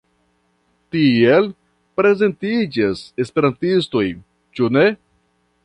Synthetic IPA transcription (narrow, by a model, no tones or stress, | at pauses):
tiel | pɾe̞ze̞ntid͡ʒase̞spe̞ɾantisto̞j | t͡ʃune̞